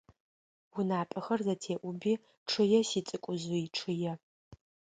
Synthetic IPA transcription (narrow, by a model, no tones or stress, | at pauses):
wʊnaːpʼɐxɐrzɐtʰeːʔʷʊbiː | ʈ͡ʂʰɨjɛsiːt͡sʼɨkʷʼʊzʊiʈ͡ʂʰɨjɛ